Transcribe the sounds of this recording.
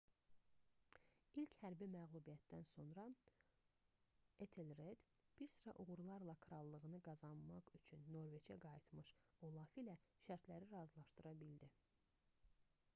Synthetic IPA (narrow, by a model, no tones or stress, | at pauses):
ilchæɾbimæɣlˠubijæt̪d̪ænso̞nɾɑ | et̪ʰelɾed̪b̥iɾsɯɾɑ̰ʔuɣuɾlˠɑɾlˠɑkʰɾɑlˠːɯɣɯnɯɡɑzɑnmɑʁyt͡ʃʰynːo̞ɾve̞t͡ʃʰæ̰ɡɑjit̪mɯʃolˠɑːfilæʃæɾt̪ʰlæɾiɾɑzlˠɑʃt̪ɯɾɑbild̪i